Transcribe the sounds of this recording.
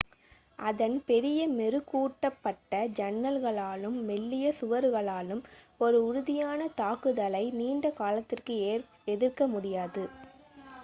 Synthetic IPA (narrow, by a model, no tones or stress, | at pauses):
ʔɐðɐnpɛɾɪjɐmɛɾɯkːuːʈːɐpːɐʈːɐd͡ʒɐnːɐlɣɐɭaːlɯmːɛɭːɪjɐsʊʋɐɾɣɐɭaːlɯm | ɔɾɯʊɾʊðɪjaːnɐt̪aːkɯðɐlɐɪniːɳɖɐkaːlɐt̪ːɪrkɯ | ɛðɪrkɐmʊɽɪjaːðɯ